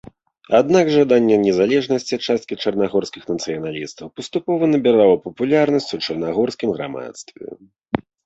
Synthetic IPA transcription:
ad̪naɡʐad̪anʲːɛnʲɛzalʲɛʐnɐsʲt͡sʲiat͡ʂast̪̚kʲit͡ʂɐrnaɣɔrsʲkʲixnɐt̪sɨjɐnalʲist̪ɐwpɐst̪upɔvɐnɐbʲɛɾawˠɐpɐpulʲarnɐsʲt͡sʲut͡ʂɐrnaɣɔrskʲimɣɾa̰ma̰t̪st̪vʲɛ̰

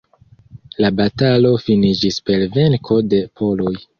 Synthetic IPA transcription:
labatalo̞finid͡ʒispe̞lve̞nkʰo̞de̞pʰo̞lo̞j

